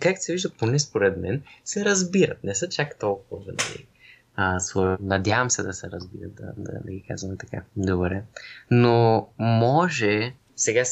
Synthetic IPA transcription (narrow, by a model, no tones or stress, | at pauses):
kakt̪sɛviʒd̪əponɛspoɾɛd̪mɛnsɛɾɐzbiɾɐ̰t̪̚nɛsɤt͡ʃakt̪ɔlˠkuvɐvənɐ̰lḭ | əsonɐd̪ʲjavəmsɛd̪ɐsɛɾɐzbḭɾə̰t̪̚d̪ɐ̰d̪ɐ̰nɐɡika̰zvɐmɛt̪ɐ̥ka̰d̪obɾɛnomɔʒɛ | sɛɡa